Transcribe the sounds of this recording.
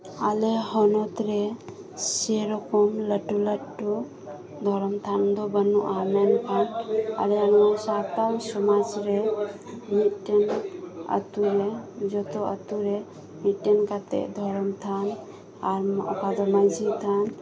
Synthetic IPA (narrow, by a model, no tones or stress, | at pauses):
aleɦɔnɔt̪ɾe | seɾɔkɔmləʈːuləʈːu | d̪ʱɔɾmt̪ʰand̪ɔbənːuʔamenkʰana̰leənasat̪awsɔmad͡ʒɾe | miʈenə̰t̪uɾed͡ʒɔt̪ɔə̰t̪uɾe | miʈːenkat̪ḛd̪ʱɔɾmt̪ʰan | aɾɔ̰kad̪ɔməd͡ʒʱit̪ʰan